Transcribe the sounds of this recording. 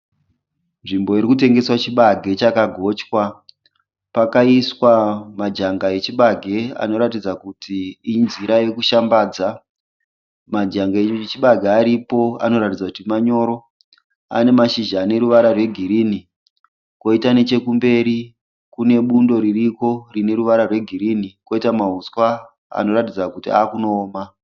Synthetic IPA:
nʐimbo̞iɾikute̞ŋɡe̞swat͡ʃiɓaɡʱe̞t͡ʃakaɡʱo̞t͡ʃkwa | pakaiswamad͡ʒaŋɡaet͡ʃiɓaɡʱe̞a̰no̞ɾatid͡zakutʰiːnziɾaje̞kuʃambaːd͡za | mad͡ʒaŋɡaet͡ʃiɓaɡʱeːɾipo̞a̰no̞ɾatid͡zakutimaɲo̞ɾo̞ | a̰ne̞maʃiʒaːne̞ɾuʋaɾarwe̞ɡʱiɾiːni | ko̞itane̞t͡ʃe̞kumbe̞ɾi | kune̞ɓundo̞ɾiriko̞rine̞ɾuʋaɾarwe̞ɡʱiɾiniko̞itamaɦuskwa | a̰no̞ɾatid͡zakutiaːkuno̞ːma

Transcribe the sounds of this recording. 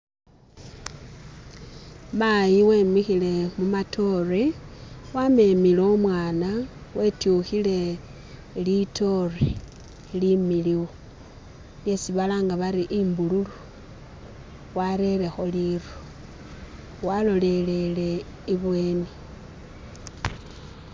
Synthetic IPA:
majiwemixile̞mumatʰo̞rewame̞milomwaːna | wʔe̞tjuxile̞ | lito̞re | limiliwo | lje̞siβalaːŋɡaβaɾiʔimbululu | waɾe̞le̞xo̞liru | walo̞le̞le̞le̞ | iβwe̞ːni

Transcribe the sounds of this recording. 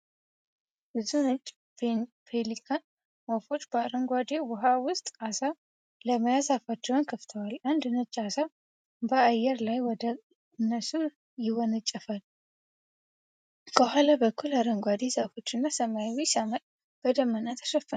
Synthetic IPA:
bɨzunət͡ʃʼː | fe | pʰelikʰan | wofo̞t͡ʃːbəaɾəŋɡʷad̪ewʊɦawʊst̪ʼasa | ləməjazafat͡ʃːɛwnkʰəft̪ʰəwalʔand̪ɨnət͡ʃʼːasa | bəajːɛɾlajwɔd̪ə | ɨnːəsu | jɪwɔnət͡ʃʼːɛfal | kʰəɦalabəkːulaɾəŋɡʷad̪e̞zafo̞t͡ʃːɨnːasəmajwisamət̪ʼ | b̥əd̪əmːənat̪ʰə̥ʃəfːə

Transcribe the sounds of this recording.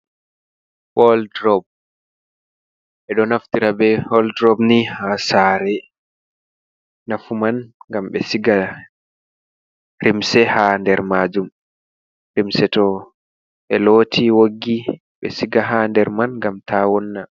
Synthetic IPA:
hɔldɾɔb̚ | ʔɛɗɔnaftiɾabɛhɔldɾɔbnihasaːɾɛ | nafumanŋɡamɓɛsiɡa | ɾimsɛhandɛɾmaːd͡ʒum | ɾimsɛtɔ | ɓɛloːtʰiwoɡːi | ɓɛ̰siɡaɦandɛɾmanɡamtʰawɔnːa

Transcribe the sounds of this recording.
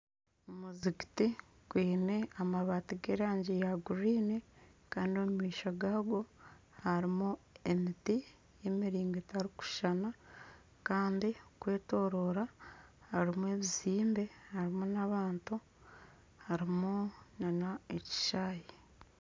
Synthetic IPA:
muziki̥ti | kwiːne̞amaβaːtiɡeɾaːɲɟejaɡuɾiːnekaːndio̞mumiːʃaɡaːɡo̞ | haɾimuemiti | jemiɾiːŋɡetaɾiku̥ʃana | kaːndikwe̞ːto̞ːɾo̞ːɾahaɾimue̞ːβiziːmbe̞haɾimunaβaːntu | haɾimunanaeci̥ʃaːji

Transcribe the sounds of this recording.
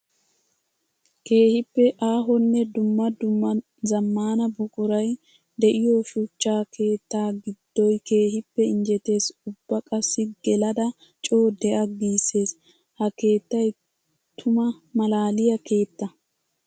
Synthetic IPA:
ke̞ːhɪpːɛʔaːɦɔnːɛd̪ʊmːɐd̪ʊmːɐ | zɐmːaːnɐbʊkʼʊɾɐj | d̪ɛʔɪjoʃʊt͡ʃːaːkʰe̞ːt̪ːaːɡɪd̪̥ːɔjke̞ːhɪpːɛɪnd͡ʒɛt̪e̞ːsʊbːɐkʼɐsːɪɡɛlɐd̪ɐ | t͡ʃʼo̞ːd̪ɛʔɐɡiːse̞ːs | hɐke̞ːt̪ːɐj | t̪ʰʊmɐmɐlaːlɪjɐke̞ːt̪ːɐ

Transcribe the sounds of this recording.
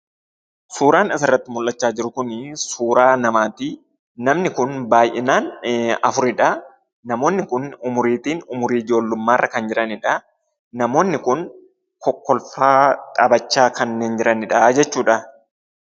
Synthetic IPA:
suːɾaːnɐsɐrːɐt̪ːɪmʊlʔɐt͡ʃːaːd͡ʒɪɾʊkʊnsuːɾaːnɐmaːt̪iː | nɐmnɪkʊnbaːjʔɛnaːnɐfʊɾɪᶑɐ | nɐmo̞ːnːɪkʊnʊmʊɾiːt̪iːnʊmʊɾiːɪd͡ʒo̞ːlːʊmːaːrːɐkɐnd͡ʒɪɾɐnɪᶑɐ | nɐmo̞ːnːɪkʊn | kɔkːɔlfaːt̪ʼɐbɐt͡ʃːaːkɐnːe̞ːnd͡ʒɪɾʔɐnɪᶑɐd͡ʒɛt͡ʃːuːᶑɐ

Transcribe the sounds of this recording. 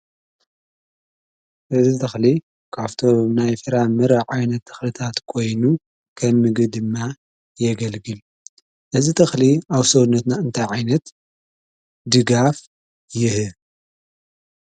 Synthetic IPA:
ʔɨzit̪ʰɐxli | kʰaβt̪ʰonajfɨɾamɨɾɐʕajnɐt̪ʰːɨ̥xlɨt̪ʰat̪kʰo̞jnu | kʰɐmːɨɡd̪ɨmːa | jɛɡɐlɡɨl | ʔɨzit̪ʰɐxliawsownːɐt̪naɨnt̪ʰajʕajnɐt̪ | d̪ɨɡaf | jɪhɨ

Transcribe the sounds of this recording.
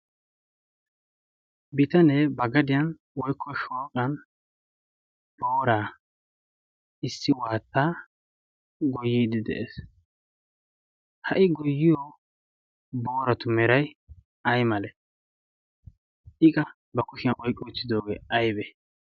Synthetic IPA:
bɪt̪ɐnɛbɐɡɐd̪ɪjɐn | wɔjkʰːɔʃoːkʼɐn | b̥o̞ːɾaː | ɪsːɪwaːt̪ːaː | ɡɔjːiːd̪ɪd̪ɛ̰ʔḛs | hɐʔɪɡɔjːɪjɔ | bo̞ːɾɐt̪ʊmɛɾɐj | ɐjmɐlɛ | ʔɪkʼɐ | bɐkʊʃɪjɐʔɔjkʼːɔʊt͡sːɪd̪o̞ːɡḛːʔɐjbɛ

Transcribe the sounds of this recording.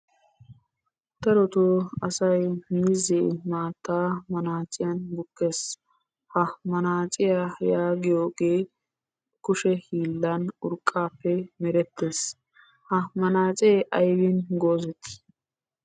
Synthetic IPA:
t̪ɐɾɔt̪ʊɐsɐjmiːzeːmaːt̪ːaːmɐnaːt͡ʃʼɪjɐnbʊkːeːs | hɐmɐnaːt͡ʃʼɪjajaːɡɪjoːɡeː | kʊʃɛhiːlːɐnʊɾkʼːaːpːɛmɛɾɛt̪ːeːs | hɐmɐnaːt͡sʼeːʔɐjwinɡoːzɛt̪ː

